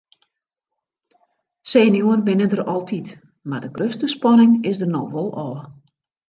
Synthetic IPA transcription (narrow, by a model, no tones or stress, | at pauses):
seːnjuənbɪnədərɔlˠtʰit | mardəɡrøstəspɔnɪŋɪsdərnɔxʋolˠɔː